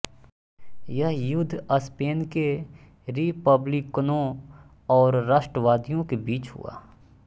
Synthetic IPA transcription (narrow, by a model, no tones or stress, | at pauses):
jɐɦjʊd̪ʱːəspeːnke | ɾipəblɪkːnõ | ɔːɾːaːʃʈəʋaːd̪ijõkebiːt͡ʃɦʊ̰a̰ː